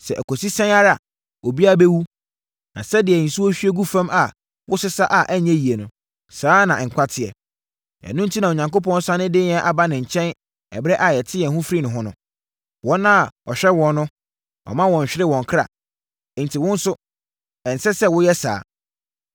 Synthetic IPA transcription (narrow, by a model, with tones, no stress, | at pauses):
sɛ˨ʔæ˨kʰɔ˨si˦sɛ̃˦na˦ɾa˨ | o˨bi˦a˦bɛ˦wu˦ | nã̰˨sɛ˦dɪ˨ɛ˨n̩˨su˦wɔ˦ɕᶣɥe˦ɡu˦fã˦ma˨ | wʊ˦sɪ˦sa˦ʔa˨ʔæ˦ɲɛ̃˦ji˨e˨nʊ̃˨ | saː˨˦nã˨ŋ̩˨kʷʰa˦tʰɪ˨ɛ˨ | ɛ̰˨nʊ̃˦n̩˦tʰi˦nã˨o˨ɲã˨ŋko˦p̬ɔ̃˦n˦sa˦nɪ̃˦dɪ˦n˨ɛ̃˦ʔa˨ba˦nɪ̃˨ɲ̩˨t͡ɕʰɛ̃˦n | ɛ̰˨bɾɛ˦ʔa˨jɛ˨tʰɪ˦ɛ˨hʊ̃˦fɾi˦nʊ̃˨ɦʊ̃˦nʊ̃˦ | wɔ̃˦nːã˦˨ɔ˨ɕᶣɛ˦wɔ̃˨nnʊ̃˦ | ɔ̰˨mã˦wɔ̃˨ɲ̩˨ɕᶣɪ˦ɾɪ˦wɔ̃˨ŋ˨kʰɾa̰˨ | n̩˨tʰi˨wʊ̃˦n̩˦sʊ˦ | ɛ˨n̩˨sɛ˦sɛ˦wʊ˦jɛ˦sa̰ː˨˦